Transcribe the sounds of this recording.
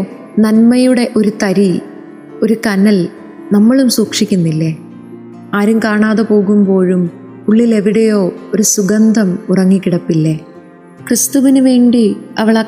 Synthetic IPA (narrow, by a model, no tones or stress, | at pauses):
nɐnmɐjuɽe̞ʔo̞ɾut̪ɐɾi | o̞ɾukɐnːɐl | nɐmːɐɭumsuːkʂikʲːunːilːe | aːɾumkaːɳaːðepo̞ːɣumbo̞ːɻum | uɭːile̞ʋiɽejo̞ːo̞ɾusuɡɐnd̪ʱɐmurɐŋːikʲːiɽɐpːilːe | krɨst̪uʋinuʋe̞ːɳɖiɐʋɐɭɐ